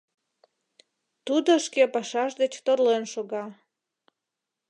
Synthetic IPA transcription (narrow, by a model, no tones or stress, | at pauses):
t̪ud̪oʃkepɑʃɑʃd̪et͡ɕt̪orlenʃoɣɑ